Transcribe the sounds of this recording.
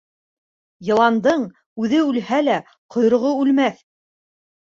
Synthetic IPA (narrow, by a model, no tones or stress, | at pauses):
jɤ̆lˠɑnd̪ɤɴ | ʉðɘʉlhælæ | qʰŏj̆ɾŏʁoʉlmæθ